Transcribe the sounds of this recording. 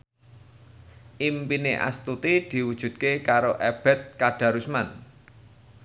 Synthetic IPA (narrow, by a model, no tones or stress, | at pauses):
ʔimpineʔa̰st̪ut̪id̪̥i̤wud̥ʒ̥ṳd̪̚kekaɾoʔeb̥ɛ̤t̪̚kaɖ̥ä̤ɾusman